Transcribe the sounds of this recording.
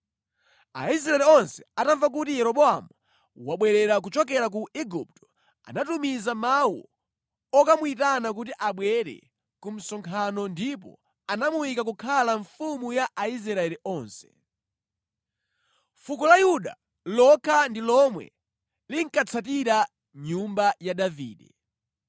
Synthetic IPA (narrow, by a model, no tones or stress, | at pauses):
a̰is̬ɾaɛliɔnsɛ̥ataɱvak̬utijɛɾɔɓɔa̰mu | waɓwɛɾɛɾak̬ut͡ʃɔkɛɾak̬uiɡup̚tɔ̥ | a̰natumizamawɔ̰ | ɔkamuitanak̬ut̬iʔaɓwɛɾɛ̰ | kum̩sɔŋkʰanɔndipɔ̰ | anamuwikak̬ukʰalaɱfumujaʔaizɾaɾaɛliʔɔːnsɛ̥ | fukɔlajuɗa̰ | lɔkʰandilɔmwɛ̰ | liŋ̩kat͡sʰatiɾa | ɲumbajaɗavḭːɗɛ